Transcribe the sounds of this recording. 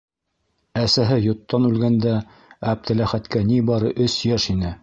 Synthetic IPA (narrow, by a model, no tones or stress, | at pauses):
æsæɦɘjŏt̪ːɑnʉlɡænd̪æ | æb̚t̪ɘ̆læχæt̪kænibɑɾɤʔɵsjæʃinɘ